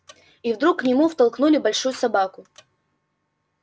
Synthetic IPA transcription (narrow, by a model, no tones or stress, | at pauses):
ivd̪ɾukːnʲɪmuft̪ɐlˠknulʲɪbɐlʲʂujʊsɐbakʊ